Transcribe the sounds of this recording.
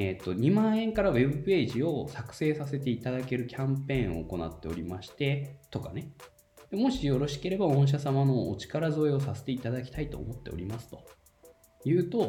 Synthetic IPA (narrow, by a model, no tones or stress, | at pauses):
et̪ːo̞ɲ̟imãɰ̃ẽ̞ŋkaɾaβe̞bɯ̟pe̞ːʑio̞sakɯ̟̥se̞ːsase̞t̪e̞it̪ad̪ake̞ɾɯ̟kʲʰãmpẽ̞ːo̞̰ːko̞na̰t̪ːe̞o̞ɾʲimaɕi̥t̪e̞t̪o̞kane̞ | d̪̥emo̞ɕijo̞ɾo̞ɕi̥ke̞ɾe̞baõ̞ɰ̃ɕ̬asamano̰ːt͡ɕi̥kaɾazo̞eo̞sase̥t̪e̞it̪ad̪akʲi̥t̪ait̪o̞̰ːmo̞t̪ːe̞oɾʲimasɨ̥t̪o̞̥ | jɯ̟ːt̪o̞